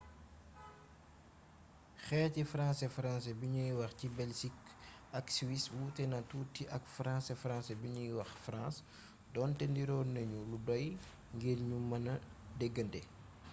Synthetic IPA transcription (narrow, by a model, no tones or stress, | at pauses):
xɛːcifɾãːsɛfɾãːsɛbiɲujwɐxcibɛlsik | ɐkswiswutɛnɐtuːtːiʔɐkfɾãːsɛfɾãsɛbiɲujwɐxfɾãːs | dɔːntɛndiɾɔːnɐɲuludɔj | ŋɡeːlɲumɐnɐdɛɡːəndɛ